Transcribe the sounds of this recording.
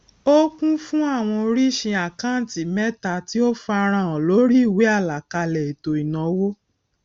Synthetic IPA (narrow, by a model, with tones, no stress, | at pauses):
o˦kũ˦fũ˦a˦˨w̃ɔ̃˧o˧ɾi˦˨ʃĩ˧a˨kã˦˨ti˨mɛ˦ta˨ti˦o˦fa˧ɾ̃ã˧˨ɔ̃˨lo˨˦ɾi˦i˦˨we˨˦a˦˨la˨ka˧lɛ˨i˨to˨i˨nã˨˦wo˦